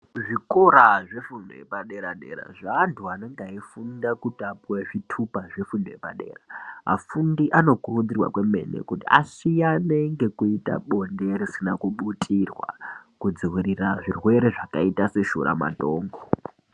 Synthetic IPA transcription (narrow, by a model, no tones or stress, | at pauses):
ʐikoɾaʐe̞fundojḛpaɗe̞ɾaɗe̞̰ɾa̰ʐantʰuane̞ŋɡaifundakutapuwaʐitʰupaʐefundoje̞paɗe̞̰ːraɦa̰fundiʔano̞kurud͡zirwa̰kwe̞me̞̰nḛkutia̰ʃijaneŋɡe̞kuita̰ɓo̞nde̞risinakuɓutʰirwa̰kud͡ziwiɾiraʐirwe̞ɾe̞ʐakaitase̞ʃṵɾa̰ma̰to̞ːŋɡo